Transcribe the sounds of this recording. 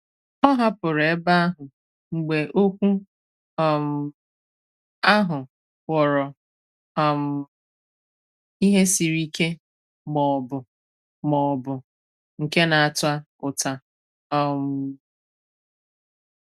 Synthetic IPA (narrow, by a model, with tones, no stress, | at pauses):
ɔ˦ɦa˦pʊ˨ɾe˨e˦ba˦a˦ɦʊ˨ | ŋ͡m̩˨ɡ͡be˨ʔo˦kʷu˦ | ɔ˨m̩˨ | a˦ɦʊ˨ | wɔ˨ɾɔ˨ | ɔ˨m̩˨ | i˦ɦe˦si˨ɾi˦ke˦ | mɔ˨bʊ˨ | mɔ˨bʊ˨ | ŋ̩˨ke˦na˨a˨tʊ˦a˦kʊ˨ta˨ | ɔ˨m̩˦